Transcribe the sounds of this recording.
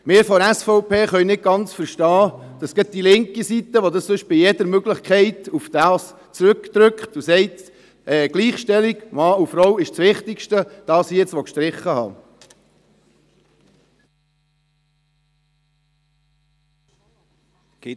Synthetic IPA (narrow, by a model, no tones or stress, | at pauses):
mɪːɾfɔɾæsfɔʊpʰeːχœɥnɪt̚ɡ̥ɑnt͡sfəɾʃtɑːd̪̥ɑsɡ̥ət̚d̥̪ilɪŋkisit̪ːəʋod̪ɑssɵʃb̥ɪjɛd̥əɾmøɡləχkʰɛɪt̪ufd̥ɑːs | t͡sɾʉkd̥̪ɾʏkχt̪usɛɪt | ʔɛːɡ̥liːχʃtɛliɡmɑːufɾɔwɪʃt͡sʋɪχt̪ɪkʃtəd̥ɑːsijɛt͡sʋɔkʃtɾɪχːəhɑ̰ː